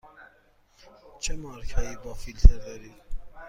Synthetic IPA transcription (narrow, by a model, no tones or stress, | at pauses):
t͡ʃʰəmɑːɾkʰɑjibɑːfilt̪ʰɛɾd̪ɛɾi